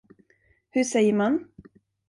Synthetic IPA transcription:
hɵʂɛjːəɾman

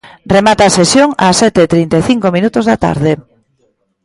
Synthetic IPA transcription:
remat̪aːsesjoŋa̰sːɛt̪eːt̪ɾint̪eθiŋkomĩnut̪ozðat̪a̰ɾðe

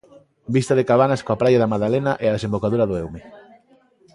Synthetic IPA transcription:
bist̪aðekaβ̞anaskoapɾajaðɐmaðalenaʔeaðesembokaðuɾɐðoewme

